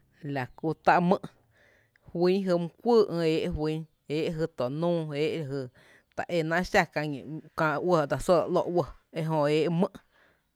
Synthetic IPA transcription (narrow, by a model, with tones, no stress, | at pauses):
la˨ku˧˨t̪a˧ʔmɨ̃˧ʔ | hwĩ˦ɦɨ˧mũ˧kʷəː˦˨ʔə̃˧eː˦ʔhwĩ˦ | eː˦ʔɦɨ˧t̪o˨nũː˦eː˦ʔla˧˨ɦɨ˧˨ | t̪a̰˨ʔe˧˨nã˦˧ʔʃa˧kã˧ɲḭ̃˨kã˧ʔwə˧˨d̪a˧˨so˦˨ɾa̰˨ʔlo˧ʔwə˧˨e˦ɦõ˧eː˦ʔmə̃˦ʔ